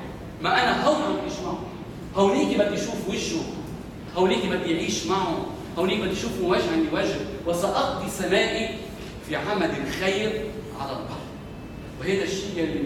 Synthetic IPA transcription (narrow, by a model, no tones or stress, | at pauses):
maʔanaɦawnibɪd̪ʕiːʃmaʕʊ̰ | hawniːkibɪd̪ːiʃuːfwɪʒu | hawniːkibɪd̪ːijʕiːʃmaʕʊ | hawniːk̚bɪd̪ːijʃuːfuwaːʒhaniwaːʒɪhwasaʔɑq̚d̪isamaːʔi | fiʕamalɪlxajɾ | ʕalalq̪ɑ̰l | wɦaːd̪aʃːiːjalːi